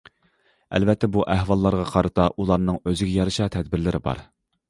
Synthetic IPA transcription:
ɛ̰lvɛt̪ʰːɛbuʔæɦwɑlˠːɑɾʁɑqʰɑɾɨt̪ʰɑʔulˠɑɾnɨŋøzɪɡʲɛjɑɾɨʃɑt̪ʰɛd̪̚bɪɾlɪɾɪbɑ̰ɾ

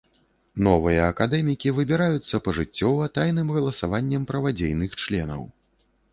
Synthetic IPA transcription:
nɔvɨjɐːkad̪ɛmʲikʲivɨbʲiɾajut̪sːɐpɐʐɨt͡sʲːɔvɐt̪ajnɨmɣɐlˠɐsavanʲːɛmpɾɐvad͡zʲejnɨxt͡ʂlʲɛ̰nɐ̰w

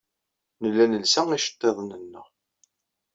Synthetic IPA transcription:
nəlːænəlsæŋiʃə̥t̪ˤːeðˤnənːəʁ

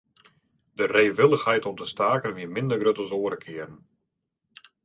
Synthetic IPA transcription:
dəreːʋɪlˠəxhɛjtɔp̚dəstaːkənʋiəmɪndərɡrøtəzoːəɾəkʰɪərən

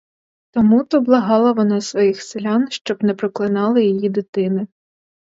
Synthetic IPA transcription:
t̪ɔmut̪ɔblˠɐɦɑlˠɐʋɔnɑsʋɔjixsɪlʲɑnʃt͡ʃɔbnɛpɾɔklˠɪnɑlˠɪjijid̪ɪt̪ɪnɪ

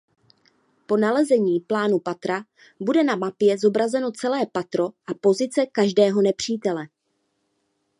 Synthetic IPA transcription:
po̞nalɛzɛɲiːplaːnupat̪ɾa | budɛnamapjɛzo̞bɾazɛno̞t͡sɛlɛːpat̪ɾo̞ʔapo̞zɪt͡sɛkaʒdɛːɦo̞nɛpr̝̥iːt̪ɛlɛ

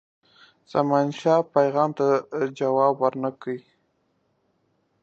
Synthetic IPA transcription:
z̥amɑnʃɑpajɣɑmt̪ad͡ʒawɑbwaɾnakəi

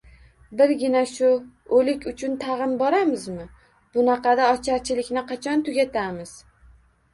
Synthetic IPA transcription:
bɪɾɡʲɪnaʃʊ | olɪkʲʰʊt͡ʃʰʊnt̪ʰɑʁɨnbɒɾamɪzmɪ | b̥ʊnɑqʰɑd̪aɒt͡ʃʰaɾt͡ʃʰɪlɪkʲnɪqʰɑt͡ʃʰɒnt̪ʰʊɡʲat̪ʰamɪz̥

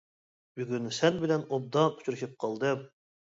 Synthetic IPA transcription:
byɡʲynsɛnbɪlɛnob̚d̪ɑu̥t͡ʃʰuɾɨʃɨp̚qʰɑlˠd̪ɨm

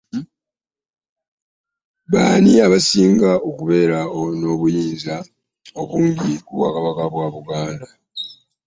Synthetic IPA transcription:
βaːniaβasiːŋɡaʔokuβe̞ːɾaono̞βujiːnza | o̞βuːɲɟikuwa̰kaβakaβwaːβuɡaːnda

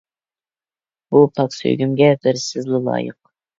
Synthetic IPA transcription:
b̥upʰɑksø̰ɡʲymɡʲɛbɪɾsɪzlɪlˠɑ̰ːjə̰q̚

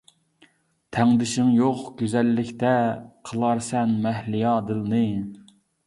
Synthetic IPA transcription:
t̪ʰɛŋd̪ɪʃɪŋjoqɡ̥ʲøzɛlːɪkʲt̪ɛqʰəlˠɑɾsɛnmɛhlijɑːd̪ɨlˠnɨ

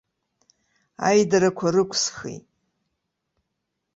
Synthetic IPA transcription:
a̰jdaɾakʷʰarɨkʷʰsχḭt

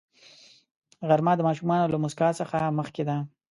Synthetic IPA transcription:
ɣaɾmɑd̪əmɑʃumɑnolamʊskɑsəxaməxked̪a

